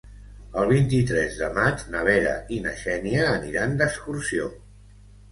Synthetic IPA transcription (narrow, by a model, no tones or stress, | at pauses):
əlˠβ̞int̪it̪ɾɛzðəmad͡ʒnəβ̞ɛɾə̰ʔinəʃɛniəːniɾand̪əkskuɾsio